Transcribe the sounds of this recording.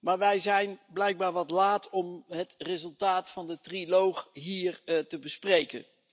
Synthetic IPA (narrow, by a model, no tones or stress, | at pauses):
maːɹʋɛjzɛjnblɛjɡ̚baːɹʋɑtlaːtɔmɦətrezɵlˠtaːtfɑndətrilowχɦiːrtəbəsprejkə̰n